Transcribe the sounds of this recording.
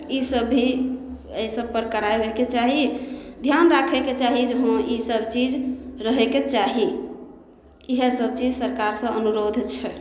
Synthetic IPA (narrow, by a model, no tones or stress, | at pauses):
isəbi | esəb̚pəɾkəɾaeɦeket͡ʃaɦid̪ʱjanɾakʰɛket͡ʃaɦid͡ʒəɦõisəbt͡ʃid͡ʒɾəɦeket͡ʃaɦi | iɦesəb̚t͡ʃid͡ʒsəɾkaɾsə̃ənuɾod̪ʱt͡ʃʰɛ